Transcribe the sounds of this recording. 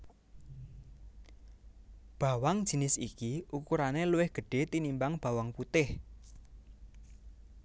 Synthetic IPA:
b̥a̤waŋ̥ʒ̥i̤nɪsḭkiʔukuɾaneluwɪhɡ̥ə̤ɖ̥e̤t̪inimbaŋb̥ä̤waŋput̪ɪh

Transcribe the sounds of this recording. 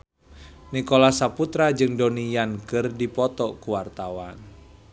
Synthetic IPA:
nikolasaput̪ɾad͡ʒɨŋdonijankɨrdipɔt̪ɔkuwart̪awan

